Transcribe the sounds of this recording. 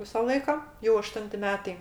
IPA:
ˈʋʲɪsɐ ˈlˠɐɪkɐ jɛʊ ɐˈʃtʊnʲtʲɪ ˈmʲæːtɐɪ

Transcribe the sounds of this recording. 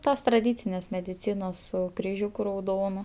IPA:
ˈtoːs trɐˈdʲiːt͡sʲɪnʲeːs mʲɛdʲɪˈt͡sʲiːnoːs sʊ krʲɪˈʒʲuːkʊ rɐʊˈdoːnʊ

